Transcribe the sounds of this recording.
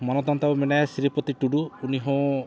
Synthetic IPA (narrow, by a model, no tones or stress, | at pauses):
mɔnɔt̪ɔnt̪abumenajasiɾipɔt̪iʈuɖuːniɦõ